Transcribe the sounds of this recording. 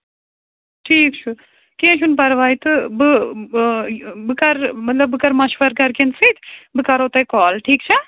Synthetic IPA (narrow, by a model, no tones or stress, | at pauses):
ʈʰiːkt͡ʃʰu | kẽʃʰunpɐɾʋaːjt̪ɨbɨ | bɨkɐɾmɐt̪lɐbːɨkɐɾmɐʃʋɐɾkɐɾkensit̪bɨkɐɾot̪ɐkɔːlʈʰiːkt͡ʃʰɛ